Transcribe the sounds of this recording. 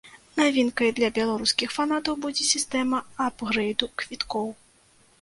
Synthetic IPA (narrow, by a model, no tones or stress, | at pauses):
navʲinkɐjd̪lʲɐbʲalˠaɾuskʲixfan̪at̪ɐwbud͡zʲɛsʲist̪ɛmɐabɣɾɛjd̪ukvʲit̪kɔw